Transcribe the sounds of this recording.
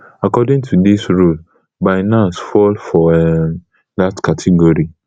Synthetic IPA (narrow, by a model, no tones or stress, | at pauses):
akɔdɪ̃ŋtʰudisɹul | baɪnãsfɔlfɔɛm | datkʰatʰiɡoɹi